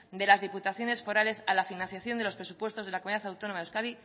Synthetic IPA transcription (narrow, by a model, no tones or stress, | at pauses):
d̪e̞lazðiput̪aθjo̞ne̞sfo̞ɾale̞salafinãnθjaθjo̞nd̪e̞lo̞spɾe̞supwe̞st̪o̞zð̞e̞lakomuniðaθawt̪onomaewskaði